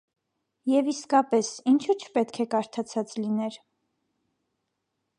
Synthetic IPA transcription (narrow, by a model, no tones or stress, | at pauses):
jɛviskɑpɛsint͡ʃʰut͡ʃʰpɛt̪kʰɛkɑɾt̪ʰɑt͡sʰɑt͡slinɛɾ